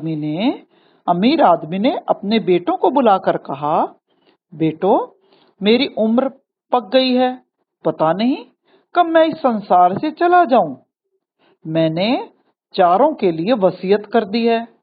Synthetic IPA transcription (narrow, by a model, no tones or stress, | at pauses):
mine | ɐmiːɾaːd̪mineʔɐpnebeːʈõkobʊlaːkəɾkɐɦa | beːʈo | meːɾiʔʊmɾ | pɐk̚ɡɐiɦɛː | pɐt̪anɐɦĩ | kəmɛ̃ːɪsːənsaːɾset͡ʃɐlad͡ʒaːũː | mɛ̃ːne | t͡ʃaːɾõkelieʋɐsiːət̪kɐɾd̪iɦɛː